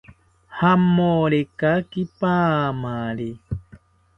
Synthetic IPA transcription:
hamoɾekakipamale

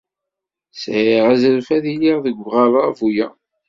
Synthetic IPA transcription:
sʕiʁæzəɾfæðijiʁðəɡʷʁælˤɑvujæ

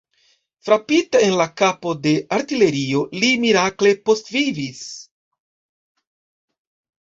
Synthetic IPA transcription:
fɾapitaenlakapo̞de̞ʔaɾtile̞ɾio̞limiɾakle̞po̞stvivis

